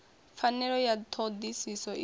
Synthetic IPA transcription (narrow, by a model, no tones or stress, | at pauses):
fanːɛɾɔjat̪ʰɔd̪isisɔʔi